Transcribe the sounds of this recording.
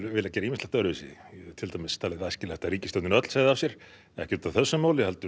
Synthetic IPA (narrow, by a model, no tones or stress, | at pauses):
vɪːlacɛːɾaiːmɪst̪lɛht̪aœɾʏɪsɪ̰t̪ʰɪlt̪ajmɪst̪ʰaːlɪðascɪlɛht̪ariːcɪst̪ɔwt̪ɪnœt̪l̥saɣðɪawsjɛɾ̥ | ɛ̰hcɛɾt̪aðθɛsːʏmaːwlɪhalt̪ʏ